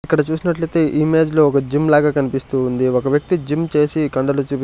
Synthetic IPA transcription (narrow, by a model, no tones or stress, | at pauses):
ikːɐɽɐt͡ʃuːsinɐʈlɐjt̪e̞ːʔime̞ːd͡ʒloɔkɐd͡ʒimlaːɡaːkɐnipist̪uːnd̪iɔkɐʋjɐk̚t̪id͡ʒimt͡ʃe̞ːsikɐɳɖɐlut͡ʃuːpi